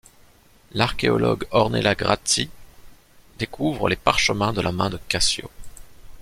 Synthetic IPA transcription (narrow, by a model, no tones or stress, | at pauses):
laʁkʲeɔlɔ̰ɡɔʁnelaɡʁat̪i | d̪ekʰuvʁəlepaʁʃəmɛ̃d̪əlʔamɛ̃d̪əkasjo̰